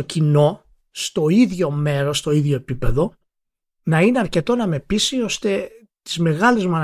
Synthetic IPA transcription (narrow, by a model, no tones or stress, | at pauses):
ocino̞ | st̪o̞iðʝo̞me̞ɾo̞st̪o̞iðʝo̞epipe̞ðo̞ | nɐineɐɾce̞t̪o̞nɐme̞pisio̞st̪e̞ | t̪i̥zme̞ɣɐlezmuɐn